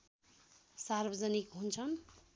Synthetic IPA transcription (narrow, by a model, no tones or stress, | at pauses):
sarbʌd͡zʌnikɦunt͡sʰʌn